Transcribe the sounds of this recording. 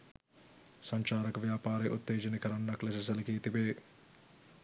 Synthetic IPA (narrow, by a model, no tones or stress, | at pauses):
sɐɲt͡ʃaːɾɐkʋjaːpaːɾeʔut̪ːeːd͡ʒɐnikɐɾɐnːɐklɐs̬esɐlɐkiːt̪ibeː